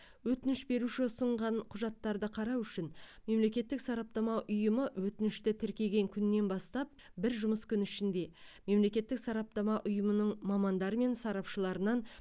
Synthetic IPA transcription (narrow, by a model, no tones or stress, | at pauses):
wɵt̪ɪnɪʃbe̞ɾuʃɪsəɴʁɑnqʰʊʒɑt̪ːɑɾd̪əqʰɑɾɑwʏʃɪnme̞mle̞kʲe̞t̪ːɪksɑɾɑp̚t̪ɑmɑʔʊjəməwɵt̪ɪnɪʃt̪ɪt̪ʰɪɾkʲe̞ɡʲe̞ŋkʲʰʏnːe̞nbɑst̪ɑp̚ | bɪɾʒʊməskʲʰʏnɪʃɪnd̪e̞me̞mle̞kʲe̞t̪ːɪksɑɾɑp̚t̪ɑmɑʔʊjəmənəɴmɑmɑnd̪ɑɾəme̞nsɑɾɑpʃəlˠɑɾənɑn